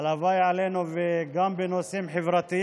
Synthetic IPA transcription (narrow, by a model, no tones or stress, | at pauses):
lavajʕalenuveɡambenosimħevɾat̪i